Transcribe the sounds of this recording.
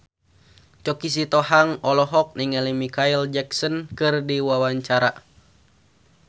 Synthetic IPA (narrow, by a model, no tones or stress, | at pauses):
t͡ʃɔkis̬it̪ɔhaŋɔlɔɦɔk̚niŋɛlimikaild͡ʒɛksɔnkɨrdiwawaɲt͡ʃaɾa̰